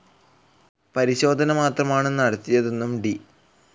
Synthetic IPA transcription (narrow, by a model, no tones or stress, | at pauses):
pɐɾiɕo̞ːd̪ʱɐnɐmaːt̪rɐmaːɳenːɐɽɐt̪ːijɐðe̞nːumɖi